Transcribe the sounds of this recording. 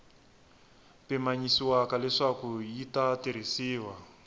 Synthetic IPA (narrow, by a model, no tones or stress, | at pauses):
pɛmaɲisiwakalɛʂakujitatiɾ̤isiːwa